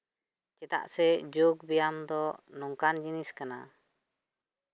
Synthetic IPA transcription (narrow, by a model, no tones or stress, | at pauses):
t͡ʃɛt̪a̰ʔsɛd͡ʒuɡ̚bijamd̪ɔnɔŋkand͡ʒiniskana̰